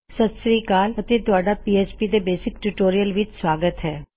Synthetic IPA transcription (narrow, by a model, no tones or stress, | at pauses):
sɐd̪sɾiːkaːlɐt̪et̪ʊaːɖapiːeːspid̪ebeːsɪkʈuʈoːɾijəlʋɪt͡ʃswaːɡət̪ɦɛː